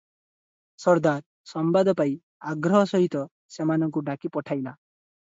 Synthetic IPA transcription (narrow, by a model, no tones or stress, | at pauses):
sɔɾd̪aɾ | sɔmbad̪ʱɔpaj | aɡɾɔɦɔsɔɦit̪ɔ | semanɔŋkuɖakipɔʈʰajla